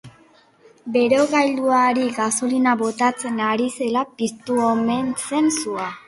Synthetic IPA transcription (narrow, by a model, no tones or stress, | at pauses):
be̞ɾo̞ɣajld̪uaɾiɣaso̞linaβo̞t̪at͡se̞naɾise̞lapist̪uome̞nt͡se̞nsua